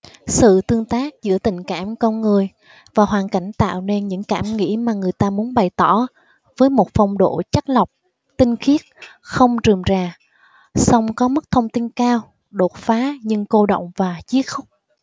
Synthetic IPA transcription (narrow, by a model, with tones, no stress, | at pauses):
sɨ̰˧˨t̪ɨ˧əŋt̪aː˦˥k̚zɨ̰˧˥ət̪ï˨˩ŋ̟kaː˧˩mkə˧nŋɨ˨˩əj | vaː˨˩hwaː˨˩nka˧˩jŋ̟t̪a̰ː˧˨wne˧nɲɨ̰˧˥ŋkaː˧˩mŋḭ˧˥maː˨˩ŋɨ˨˩əjt̪aː˧mu˨˦ənɓa˨˩jt̪ɔ˧˩ | vəː˨˦jmo˨˩t̚fa˧˩wŋ͡mɗo̰˧˨t͡ɕa˦˥k̚lə˨˩wk͡p̚ | t̪ï˧ŋ̟xi˦˥ət̚xə˧wŋ͡mtɨ˨˩əmzaː˨˩ | sa˧wŋ͡mkɔ˨˦mə˦˥k̚t̪ʰə˧wŋ͡mt̪i˧nkaː˧w | ɗo˨˩t̚faː˨˦ɲɨ˧ŋko˧ɗə̰˧˨wŋ͡mvaː˨˩t͡ɕi˨˦ət̚xʊ˦˥k͡p̚